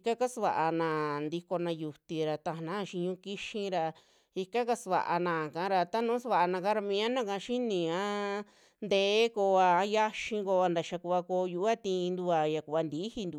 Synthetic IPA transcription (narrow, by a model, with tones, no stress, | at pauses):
i˧ka˦ka˦sβa̰˨ʔa˧nã˨nd̪i˧ko˧nã˧ju˨t̪i˧ɾa˨t̪ã˧˨nã˦˧ʃi˧ɲũ˧˦ki˦ʃĩ˧ɾa˧ | i˧ka˦ka˧sβa̰˨ʔa̰˧nã˧˨kã˧˦ɾa˧t̪a˦nũː˨˦sa˧βa˧˨ʔa˧nã˧ka˦ɾa˧mĩ˧˦ã˦nã˦˨kã˧ʃi˦nĩ˧ã˦ | nd̪eː˦˧˦ko˧a˧ja˦ʃĩ˧ŋɡo˧a˧nd̪a˨ʃa˧ku˧a˧ko˧ju˧ʔa˦t̪ĩː˧nd̪u˧a˨ja˨ku˨˧βa˧nd̪i˨˦hi˧nd̪u˨